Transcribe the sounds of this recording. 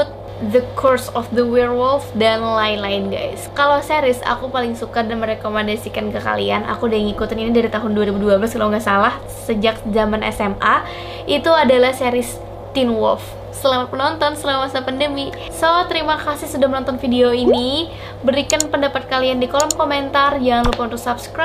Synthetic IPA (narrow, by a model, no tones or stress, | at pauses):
kʊt̪̚ | d̪əkʰɔrsɔfd̪əwɛrwɔlfdanlaɪnlaɪnɡa̰jskalawsɛɾɪsa̰kupalɪŋsukardanməɾekomandasikankəka̰lḭanʔa̰kudaaŋikut̪aninidaɾit̪aɦʊnduaɾibuduablaskalawŋɡasalah | səd͡ʒak̚zamanɛ̰sɛma | ʔit̪uadalahseɾɪs | t̪inwɔ̰lf | səəlalat̪̚mənɔnt̪ɔnsəlawasapandəmi | sot̪əɾimakasɪhsədahmənɔnt̪ɔnfideoini | bəɾikanpəndapat̪̚kaliandikolɔmkoment̪ard͡ʒaŋanlupaunt̪ʊksapskɾa